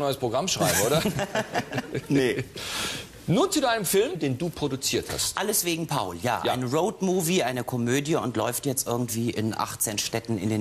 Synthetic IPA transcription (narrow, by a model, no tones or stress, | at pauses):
nɔʏəspʁ̥oɡʁamʃʁ̥a̰ɪbəoːɾɐ | nə | nuːɐt͡sudaɪnəmfɪlmdeːnduːpʁ̥odut͡siːɐtha̰stʔaləsv̥eːɡŋ̩pʰaʊlja̰ːʔaa̰ɪnəʁoʊtmuːviʔaɪnəkʰɔmøːdjəʊntlɔʏftjɛt͡stʔɪɐɡŋ̩tv̥iːʔɪnʔa̰χt͡seːnʃtɛtn̩ɪ̰ndeː